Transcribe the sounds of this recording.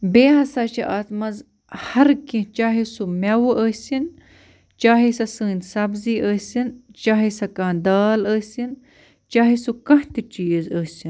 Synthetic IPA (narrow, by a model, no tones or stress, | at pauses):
beːɦɐsat͡ʃʰiʔaːt̪mɐz | hɐɾkĩt͡ʃaːɦisumɐwuʔəːsin | t͡ʃaːɦisɐsəːnʲsɐbziːʔəːsint͡ʃaːɦisɐkãːnd̪aːləːsin | t͡ʃaːɦisukɐht̪it͡ʃiːzəːsin